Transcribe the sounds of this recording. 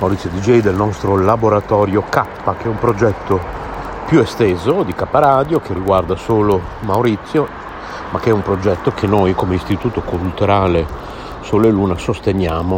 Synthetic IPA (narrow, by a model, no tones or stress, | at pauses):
mawɾit̪sjod̪id͡ʒɛjd̪elnɔst̪ɾolaboɾat̪ɔːɾjokapːakeɛumpɾod͡ʒɛt̪ːo | pjuest̪eːzod̪ikapːaɾaːd̪jokerːiɡward̪asoːlo | mawɾit̪sːjo | makːeɛumpɾod͡ʒɛt̪ːokenːojkomeist̪it̪uːt̪okult̪uɾaːle | soleluːnasost̪enjaːmo